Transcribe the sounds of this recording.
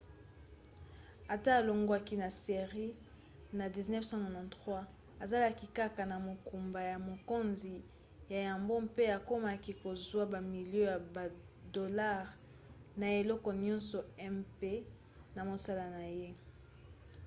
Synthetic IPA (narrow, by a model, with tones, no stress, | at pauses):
a˨taː˦˨lo˨ŋɡo˦a˦ki˦na˨se˨ʁi˦ | na˨di˨znɛ˦fsã˦nɔ̃˨nɔ̃˨ntʁwa˦ | a˨za˦la˦ki˨ka˦ka˨na˨mo˨ku˨mba˨ja˨mo˨ko˦nzi˨ | ja˨ja˨mbo˦mpe˦a˨ko˦ma˨ki˦ko˨zwa˦ba˨mi˨ljo˦ja˨ba˨ | do˨la˦ʁ | na˨e˨lɔ˦kɔ˨ɲɔ̃˦nsɔ˨ɛ˦mpe˦ | na˨mo˨sa˦la˨na˨je˦